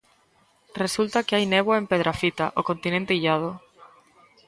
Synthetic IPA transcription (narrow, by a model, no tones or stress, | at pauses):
result̪akeajneβ̞waempeð̞ɾafit̪aʔokont̪inẽnt̪eiʎað̞ʊ